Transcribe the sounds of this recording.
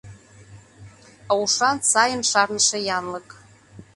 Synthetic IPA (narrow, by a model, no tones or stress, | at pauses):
awʂansajɪnʂarnɨʂajanləkʼ